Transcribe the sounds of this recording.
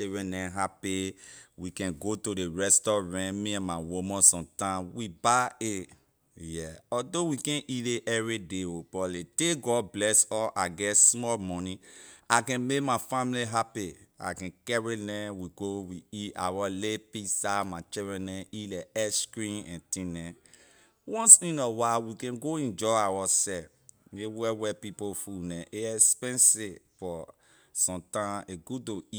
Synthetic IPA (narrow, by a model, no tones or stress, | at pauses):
t͡ʃidɹɛ̃nɛ̃ɦapiwikɛ̃nɡotodeɹɛstɔɹɛ̃mĩɛ̃nmawomɔ̃sɔ̃mtãmwibae | jɛɔdowikɛ̃nʔileʔɛvideopɔleteɡɔd̚blɛsɔʔaɡɛsmɔlmɔ̃nĩakɛ̃nmekmafãmliɦapia̰kɛ̃kɛɹinɛ̃wiɡowiia̰wɔlepisamat͡ʃɛɾɛ̃nɛ̃ilɛɛskɹĩnɛ̰̃ntĩnɛ̃ | wɔ̃nsĩnɔwawikɛ̃nɡoĩnd͡ʒɔawɔsɛfmewɛwɛpipofunɛ̃ʔeɛspɛ̃nsefɔ | sɔ̃mtãeɡudoi